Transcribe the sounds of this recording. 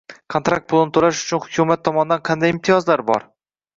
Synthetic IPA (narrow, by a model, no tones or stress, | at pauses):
kʰont̪ɾak̚t̪̚pʰʊlˠnɪt̪ʰʊlaʃʊ̥t͡ʃʰʊnhʊ̥kʲʰumat̪ʰːɒmɒnɪd̪anqʰɑnd̪ajɪmt̪ʰɪjɒzlaɾbɒ̰ɾ